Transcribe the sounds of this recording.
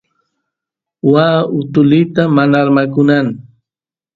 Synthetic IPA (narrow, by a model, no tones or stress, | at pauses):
waʊt̪ʊlɪt̪amanaɾmakʊnaŋ